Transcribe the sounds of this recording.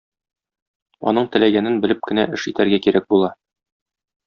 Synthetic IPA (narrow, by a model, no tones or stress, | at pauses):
ɒ̰nɤɴt̪ɘ̆læɡænɘnbɘ̆lɘp̚kɘ̆næʔɘʃit̪æɾɡækiɾæk̚bulˠɑ